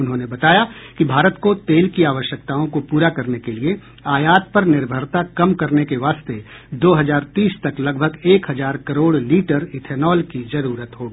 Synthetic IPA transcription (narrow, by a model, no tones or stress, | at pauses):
ʊnɦõːnebɐt̪aːjakibʱaːɾət̪kot̪eːlkiaːʋəʃjək̚t̪aːõkopuːɾakɐɾnekelie | aːjaːt̪̚pɐɾnɪɾbʱəɾt̪akɐmkɐɾnekeʋaːst̪e | d̪oːɦɐzaːɾt̪iːst̪ɐklɐɡ̚bʱəɡeːkɦɐzaːɾkɐɾoːɽliːʈəɾɪt̪ʰɛːnɔːlkizɐɾuːɾət̪ɦoːɡiː